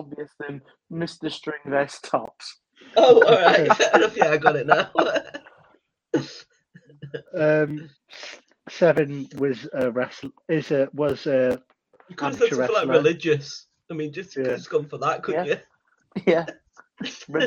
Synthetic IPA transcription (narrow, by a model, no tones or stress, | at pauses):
ɔbviəsɪ̃n | mɪstəstɹ̥ɪ̃ŋvɛstʰɔ̰ps | oʊɔɹɪaɪ̥ɛʔəɹəfjɛaɪɡɔɾɪʔnaʊ | ʌ̃m | sɛvə̃nwɒzəɹɛsɪzəwɒzə | kʰãnt͡ʃəɛlaɪlɹɪlɪd͡ʒəs | aɪmĩnd͡ʒʌsjæskʰʌ̃ɱfə˞ðəʔ̚kʰəbjə | jɛ